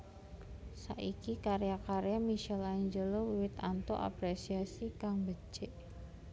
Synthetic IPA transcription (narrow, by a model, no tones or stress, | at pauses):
sa̰ʔikikaɾjakaɾjamiʃɛlaiɲd͡ʒəlowiwɪt̪ant̪oʔa̰pɾesiasikaŋbət͡ʃeʔ